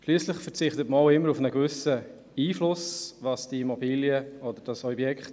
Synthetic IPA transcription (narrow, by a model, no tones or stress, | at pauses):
ʃlyːəslɪχfəʁt͡sɪχtətməaʊɪmːəɾufnəɡvʏsə | iːflʊsvɑsd̥iimɔbiːljəɔdəd̥ɑsɔbjɛkχt